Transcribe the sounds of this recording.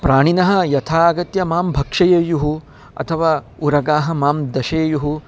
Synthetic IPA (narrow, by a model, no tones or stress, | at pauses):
pɾaːɳ̃inɐɦɐ̆jɐt̪ʰaːɐɡɐt̪jɐmaːmbʱɐkʂɐjejuɦu | ɐ̰t̪ʰɐʋaː | uɾɐɡaːɦɐ̆maːmd̪ɐʃɐːjuɦu